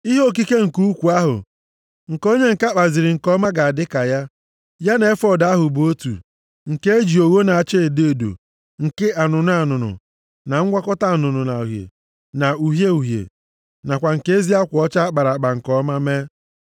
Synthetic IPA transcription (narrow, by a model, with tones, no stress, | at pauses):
i˦ɦo˦k̬i˦ke˦ŋ̩˨ku˦u˦kʷu˨a˦ɦʊ̰˨ | ŋ̩˨ko˦ɲe˦ŋ̩˨ka˦k͡pa˨zɪ˨ɾɪ˨ŋ̩˨kɔ˦ma˦ɡa˨a˨dɪ˦ka˨ja˦ | ja˦ne˨e˦fɔ˦da˦ɦʊ˨bo˦tṵ˨ | ŋ̩˨ke˦e˦d͡ʒi˨o˨wo˦na˨a˨t͡ʃe˦e˨de˦e˨do̰˨ | ŋ̩˨kɪ˦ʔa˨nʊ˨na˨˦˨nʊ˨nʊ̰˨ | na˨ŋ̩˦ɡʷa˦kɔ˦ta˦a˨nʊ˨nʊ˨na˨u˨ɦjḛ˨ | na˨u˨ɦje˦u˨ɦjḛ˨ | na˨kʷa˨ŋ̩˨ke˦e˦zi˦a˦kʷɔ˦t͡ʃa˦a˦k͡pa˨ɾa˨k͡pa˨ŋ̩˨kɔ˦ma˦me˦